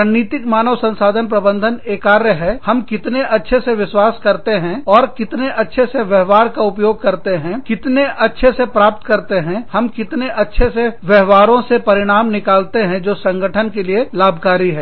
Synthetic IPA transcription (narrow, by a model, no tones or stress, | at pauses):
aniːt̪ɪkmaːnəʋsɐ̃nsaːd̪ʱənp̬ɾɐbə̃nd̪ʱəneːkaːɾjəɦɛhɐmkɪt̪neʔɐtːʃʰeseʋɪʃwaːskɐɾt̪eɦɛ̃ɔːɾkɪt̪neʔɐtːʃʰeseʋjɛɦʋaːɾkaʊpjoːɡ̚kɐɾt̪eɦɛ̃kɪt̪neɐtːʃʰesepɾaːp̚t̪kɐɾt̪eɦɛ̃hɐmkɪt̪neʔɐtːʃʰeseʋjɛɦʋaːɾõsepɐɾɪɽ̃aːmnɪkaːlt̪eɦɛ̃d͡ʒoːsɐ̃ŋɡʱəʈʰənkelielaːbʱkaːɾiɦɛː